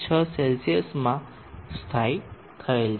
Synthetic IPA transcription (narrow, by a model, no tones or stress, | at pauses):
t͡ɕʰəselsiesmã | st̪ʰaj | k̪ʰəel